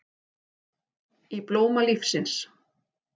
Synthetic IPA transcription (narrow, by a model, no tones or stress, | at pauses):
iploːwmalifsɪns